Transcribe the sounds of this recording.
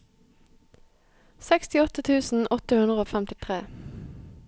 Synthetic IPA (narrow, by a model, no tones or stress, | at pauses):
sɛkst̪ɪɔt̪ət̪ʰʉːsn̩ʔɔt̪əhʉnd̪ʁəoːfɛmt̪ɪt̪ʰʁeː